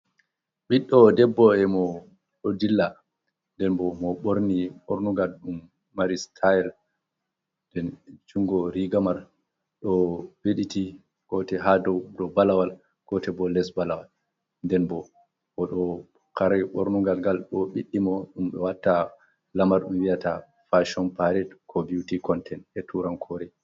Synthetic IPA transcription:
ɓiɗːɔdɛbːɔɛmɔ | ɗɔdilːa | ndɛnbɔmɔɓoɾniɓoɾnuɡalɗumː | aɾistʰajɛɾ | ndɛnt͡ʃuŋɡɔɾiɡamaɾ | ɗɔweɗiti | ɡ̥ɔtɛɦadɔdɔbalawal | ɡ̥ɔtɛbɔlɛsbalawal | ndɛnbɔ | mɔɗɔ | kaɾaɓoɾnuɡalɡalɗɔɓiɗːimɔɗumɓɛwatːa | lamaɾɗumwijata | faʃɔnpaɾɛtkʰɔbiutikɔntʰɛnɛtʰuɾankʰɔɾɛ

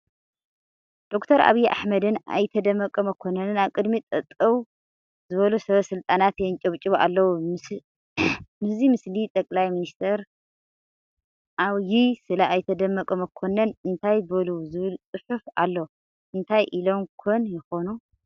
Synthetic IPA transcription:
d̪̥o̞kt̪ʰɐɾʔa̰βijʔa̰ħmɐd̪ɨnʔa̰jt̪ʰɐd̪ɐmːɐkʼɐmɐkʰo̞nɐnɨnaβkʼɨd̪mit̪ʼɐt̪ʼːɐw | zɨβɐlusɐβɐsɨlt̪ʼanat̪jɛnt͡ʃʼɐβt͡ʃʼɨβʔa̰lːɐwu | mɨszimɨslit̪ʼɐkʼlajminist̪ʰɐɾ | ʔaβjisɨlaʔajt̪ʰɐd̪ɐmːɐkʼɐmɐkʰonɐnɨnt̪ʰajbɐluzɨβɨlsʼɨħufʔa̰lːo | ʔɨnt̪ʰajʔilo̞mkʰonjɪxo̞nu

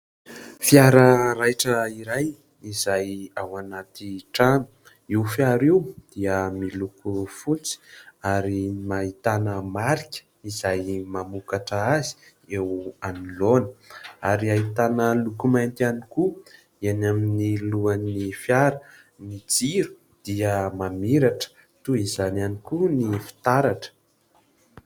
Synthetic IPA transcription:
fjaɾəɾajʈ͡ʂəiɾaj | izajawanat̪iʈ͡ʂanu̥ | iwfjaɾewd̪̥iəmilukufut͡si̥aɾimait̪anəmaɾikʲə̥ | izajmamukaʈ͡ʂəazi̥ | ewanilonəaɾiait̪anəlukumajnt̪ianiku | anaminiluanifjaɾə | nid͡ziɾu̥ | d̪̥iəmamiɾaʈ͡ʂə̥ | t̪uizananikunifi̥t̪aɾaʈ͡ʂə̥

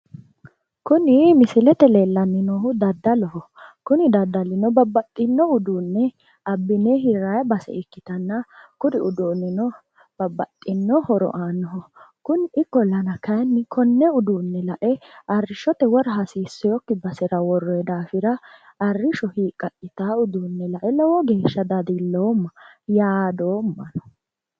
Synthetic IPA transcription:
kʊnɪmɪsɪlɛt̪ɛleːlːɐnːɪnoɦʊd̪ɐd̪ːɐlɔɦɔ | kʊnɪd̪ɐd̪ːɐlɪnɔbɐbːɐt̪ʼːɪnːɔʊd̪uːnːɛ | ɐbːɪnɛɦɪɾajbɐsɛ̰ɪkːɪt̪ɐnːɐkʊd̪ɪʊd̪oːnːɪnɔ | b̥ɐbːɐt̪ʼːɪnːɔhɔɾɔ̰ʔaːnːɔɦɔkʊnɪkːɔlɐnɐkɐjnːɪkʰɔnːɛʊd̪uːnːɛlɐʔɛɐrːɪʃɔt̪ɛwɔɾɐɦɐsiːsːɛjɔkːɪbɐsɛɾɐwɔrːɔɛd̪aːfɪɾɐ | ɐrːɪʃɔhiːkʼːɐkʼːɪt̪aːʊd̪uːnːɛlɐʔɛlɔwɔɡe̞ːʃːɐd̪ɐd̪ilːoːmːɐ | jaːd̪oːmːɐnɔ̥

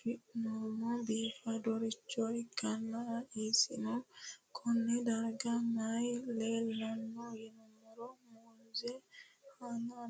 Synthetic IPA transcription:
fiʔnumɔbifadoɾit͡ʃːɔjt͡ʃɡanːaisḭnɔkʰɔnːɛdaɾɡanajlɛlanːɔjinɔmɔɾɔmunzɛhana

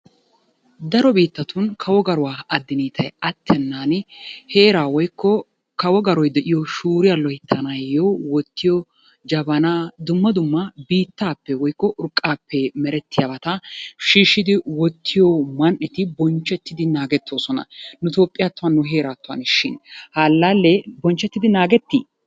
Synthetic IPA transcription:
d̪ɐɾɔbiːt̪ːɐt̪ʊnkʰɐwɔɡɐɾʊwaːɐd̪ːɪniːt̪ʰɐjɐt̪ːɛnːaːnhe̞ːɾaːwɔjkːɔ | kɐwɔɡɐɾɔjd̪ɛʔɪjɔʃuːɾɪjɐlɔhɪt̪ʰːɐnɐjjːowɔt̪ːɪjɔ | d͡ʒɐbɐnaːd̪ʊmːɐd̪ʊmːɐbiːt̪ːaːpːɛwɔjkːɔʔʊɾkʼːaːpːɛmɛɾɛt̪ːɪjabɐt̪ɐʃiːʃːɪd̪ɪwɔt̪ʰːɪjɔmɐnʔɛt̪ɪbɔnt͡ʃːɛt̪ːɪd̪ɪnaːɡɛt̪ːo̞ːsɔnɐ̰nʊt̪oːpʼːɪjat̪ːʊwɐnːʊɦe̞ːɾaːt̪ːʊwɐ̰nʃɪnhaːlːalːɛbɔnt͡ʃːɛt̪ːɪd̪ɪnaːɡɛt̪ːḭː

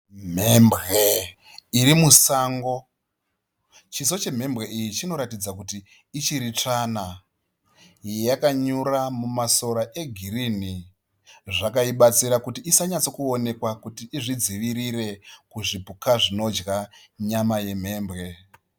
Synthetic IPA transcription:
m̤embɣe | iɾimusaŋɡo̞ | t͡ʃiso̞t͡ʃe̞m̤e̞mbɣe̞ʔijit͡ʃino̞ɾatid͡zakutiː | t͡ʃiɾit͡ʂaːna | jjakaɲuɾamumaso̞ɾaʔe̞ɡʱiɾini | ʐakaiɓat͡siɾakutiʔːsaɲat͡so̞kuone̞kwakutiːʐid͡ziʋiɾire̞kuʐibʱukaʐino̞d͡ʒɣa | ɲamaje̞m̤e̞ːmbɣe̞

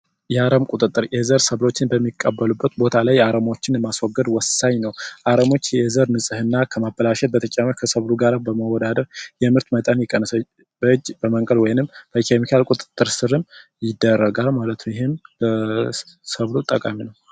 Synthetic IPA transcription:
jɛaɾəmkʼut̪ʼɨt̪ʼːɨɾjɛzəɾsəβlo̞t͡ʃːɪnbəmːikʼːəbːəlubːət̪bo̞t̪ʰalajaɾəmo̞t͡ʃːɪnjɛmaswɔɡːəd̪wɔsːaɲnəwʔaɾəmo̞t͡ʃːjɛzəɾnɨsʼɨhɨnːakʰəmabːəlaʃɛt̪̚bət̪ʰət͡ʃʼaməkʰəsəβluɡaɾabəməwɔd̪ad̪əɾjɛmɨɾt̪mət̪ʼənjɛkʼːənːəsə | bəɨd͡ʒːb̥əməŋkʼəlwɔjnɨmb̥əikʰemikʰalkʼut̪ʼɨ̥t̪ʼːɨɾsɨɾɨmjɪd̪ːərːəɡalmalət̪ʰumjɛhembə | səβlut̪ʼəkʼaminəw

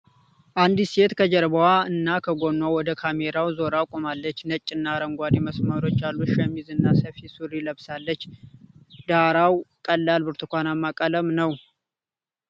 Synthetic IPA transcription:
ʔand̪iset̪kʰəd͡ʒəɾbəwaɨnːakʰəɡonːawɔd̪əkʰameɾawzo̞ɾakʼomalːət͡ʃːnət͡ʃʼːɪnːaɾəŋɡʷad̪iməsməɾo̞t͡ʃːalːuʃɛmːizɨnːasəfisuɾiləβsalːət͡ʃː | d̪aɾawkʼəlːalbɨɾt̪ʰɨkʷanamːakʼələmnəw

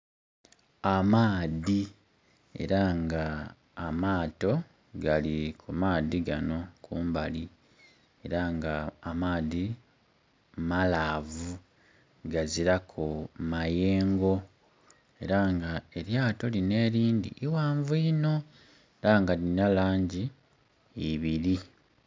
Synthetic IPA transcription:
amaːði | e̞̰ɾaŋɡaː | maːto̞ | ɡalikʰumaːðiɡano̞kʰuːmbali | e̞ɾaŋɡaːmaːði | malaːvu | ɡaziɾakʰumaje̞ːŋɡo̞ | e̞ɾaŋɡae̞ɾjaːto̞line̞ːɾiːndḭʔːwaːɱvuno̞ | eɾaŋɡalinalaːɲɟiː | βiɾi

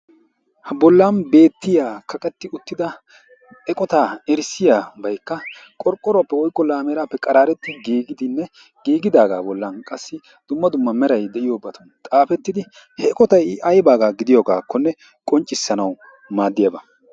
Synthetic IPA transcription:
hɐbɔlːanbe̞ːt̪ːɪjaːkɐkʼɛt̪ːɪʊt̪ːɪd̪ɐ | ɛkʼɔt̪aːɛɾsːɪjaːbɐjkːɐkʼɔɾkʼːɔɾɔapːɛwɔjkːɔlaːmɛːɾaːpːɛkʼɐɾaːɾɛt̪ːɪɡiːɡɪd̪ɪnːɛ | ɡ̥iːɡɪd̪aːɡa̰ːbɔlːɐnkʼɐsːɪ | d̪̥ʊmːɐd̪ʊmːɐmɛɾɐjd̪ɛʔɪjoːbːɐt̪ʰʊnt̪ʼaːfɛt̪ːɪd̪ɪ | hɛːkʼɔt̪ɐjɐjbaːɡaːɡɪd̪ɪjoːɡaːkːɔnːɛ | kʼɔnt͡ʃʼːɪsːɐnɐw | maːd̪ːɪjɐbɐ

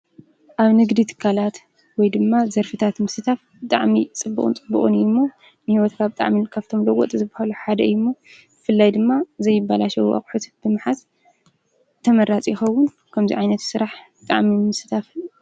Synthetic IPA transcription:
ʔaβnɨɡd̪it̪ʰɨ̥kʰːalat̪ | wɔjd̪ɨmːazɐɾfɨt̪ʰat̪mɨsɨt̪ʰaf | bɨt̪ʼaʕmit͡sʼɨbːɨ̰χʼṵnt͡sʼɨbṵχʼṵnɨjːumːo | nɨhiwɔt̪kʰabɨt̪ʼa̰ʕminkʰaβt̪ʰo̞mlɐwɔ̰t̪ʼzɨbahaluħad̪ɐɨjːumːobɨfɨlːajd̪ɨmːazɐjːɪbːalaʃɐwuʔa̰χʼħut̪b̥ɨmɨħaz | t̪ʰːɐmɐɾat͡sʼjɪxɐwːʊn | kʰɐmzḭʕajnɐt̪sɨɾaħbɨt̪ʼa̰ʕmimɨsɨt̪ʰaf

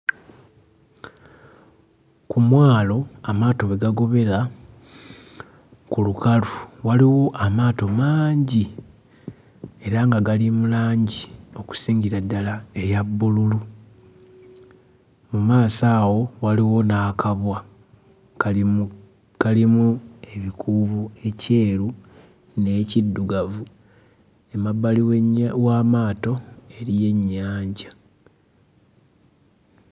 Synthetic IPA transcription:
kumwaːlo̞amaːto̞βeɡaɡo̞βe̞ɾa | kulukaluwaliwo̞ʔamaːto̞maːɲɟi | e̞ɾaŋɡaɡalimulaːɲɟio̞ku̥siːɲɟiɾadːalae̞jabːululu | mumaːsaːwo̞waliwo̞nakaβwa | kalimue̞βikʰuːβue̞ce̞ːɾu | ne̞ːcidːuɡavu | e̞mabːaliwamaːto̞e̞ɾije̞ɲːaːɲɟa

